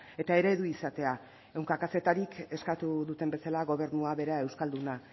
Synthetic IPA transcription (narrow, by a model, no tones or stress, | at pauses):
e̞t̪ae̞ɾe̞ðuisat̪e̞a | e̞wŋkakase̞t̪aɾike̞skat̪uðut̪e̞mbe̞salaɣo̞β̞e̞ɾnuaβe̞ɾae̞wskald̪una